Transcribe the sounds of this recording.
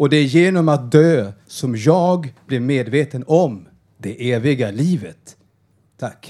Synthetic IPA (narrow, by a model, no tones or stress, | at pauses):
ɔd̪ɛjeːnɔmat̪̚d̪øːsɔmjɑːɡb̥lɪɾmeːd̪veːt̪ənɔm | d̪ɛʔeːvɪɡaliːvət̪ʰː | akː